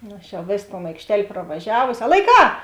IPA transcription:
ˈnʊ ɐʃ jɛʊ ˈʋʲeːs toːn ɐɪkʃʲˈtʲɛlʲ prɐʋɐˈʒʲæːʋoːsʲɪ ɐ lˠɐɪˈkɑː

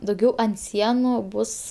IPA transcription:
dɐʊˈɡʲɛʊ ɐnt ˈsʲiɛnʊ ˈbʊs

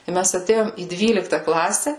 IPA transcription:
ɪ ˈmʲɛs ɐˈtʲeːjoːm iː ˈdʲʋʲiːlʲɪktɐ ˈklˠɑːsʲɛ

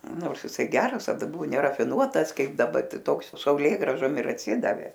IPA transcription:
ˈnoːrs jɪˈsɐɪ ˈɡʲæːrɐs tɐˈdɐ ˈbʊʋoː nʲɛrɐfʲɪˈnuɔtɐs ˈkɐɪp dɐˈbɐ ˈtɐɪ ˈtoːks sɐʊˈlʲeːɡrɑːʒoːm ɪr ɐtʲˈsʲɪdɐʋʲeː

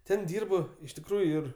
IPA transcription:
ˈtʲɛn ˈdʲiːrp ɪʃ tʲɪkˈruːjʊ ɪr

